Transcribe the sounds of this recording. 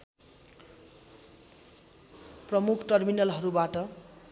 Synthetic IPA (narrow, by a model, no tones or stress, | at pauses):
prʌmukʰʈʌrminʌlɦʌɾubaʈʌ